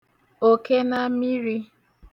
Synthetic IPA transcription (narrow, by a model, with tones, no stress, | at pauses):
o˨ke˦na˦mi˦ɾi˦